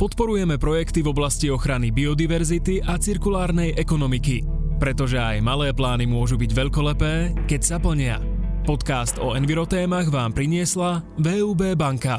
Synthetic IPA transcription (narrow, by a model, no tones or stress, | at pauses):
pɔt̪pɔɾujɛmɛpɾɔjɛkt̪ivɔblasciɔxɾanibiɔd̪iʋɛɾzit̪iʔat͡siɾkulaːɾnɛjʔɛkɔnɔmiki | pɾɛt̪ɔʒɛa̰jmalɛːplaːnimʊɔʒubiɟʋɛʎkɔlɛpɛː | kɛcsapl̩ɲɪa̰ | pɔt̪kaːst̪ɔ̰ɛnʋiɾɔt̪ɛːmaɣʋaːmpɾiɲɪɛslaʋɛːuːbɛːbaŋka